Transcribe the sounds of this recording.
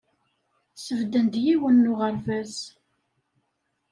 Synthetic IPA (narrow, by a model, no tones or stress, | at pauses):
səvd̪ənd̪jiwənːʊʁəɾvæz